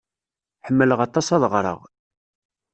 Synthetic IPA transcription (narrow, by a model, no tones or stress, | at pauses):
ħəmːələʁɑt̪ˤːɑsɑðʁɾˤə̰ʁ